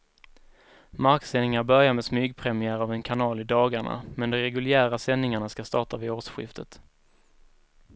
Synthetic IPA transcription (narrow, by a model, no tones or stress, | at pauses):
maɾksɛnːɪŋaɾbœɾjaɾmɛsmyːɡpʰɾɛmɪæːɾavɛnkʰanɑːlɪd̪ɑːɡaɳa̰mɛnd̪ɔɾɛɡɵljæːɾasɛnːɪŋaɳaskast̪ɑːʈavɪoːʂɧɪ̰ft̪ʰə̰t̪